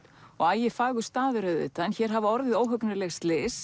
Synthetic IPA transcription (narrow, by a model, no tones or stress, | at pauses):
ɔɣajɛfaːɣɣʏst̪aːðʏɾœðʏ̰t̪aɛnçɛɾ̥ɦavaɔɾðɪðoːwɦœknʏlɛxst̪lɪːs